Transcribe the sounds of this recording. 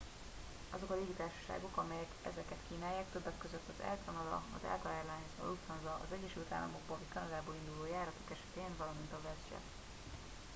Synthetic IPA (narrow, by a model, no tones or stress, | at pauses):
ʔɒzo̞kɒleːɡit̪aːʃɒ̥ʃa̰ːɡo̞kɒmɛjɛkɛzɛkɛt̪kiːnaːjːaːk̚t̪øbːɛkːø̞zøt̪ːɒzɛ̰lt̪ɒnɒd̪ɒ̰ɒ̰zɛ̰lt̪ɒɛrlajnzɒ̰lut̪ɒnzɒʔɒ̰zɛɟːɛʃylt̪a̰ːlːɒ̰moɡbolvɒcʲkɒnɒd̪aːboːlind̪uloːjaːɾɒt̪o̞kɛʃɛ̥t̪eːɱvɒlɒmint̪ɒvɛzd͡ʒɛ̰